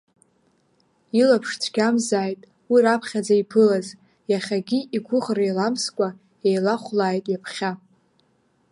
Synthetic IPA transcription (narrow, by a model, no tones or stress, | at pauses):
ilapʰʂtʰɡʲamzaːjtʼ | wirapʰχʲad͡zaipʰɨlaz | jaχʲaɡʲiiɡʷʰʊχrejlamskʷʼa | ejlaχʷlaːjtʼjapʰχʲa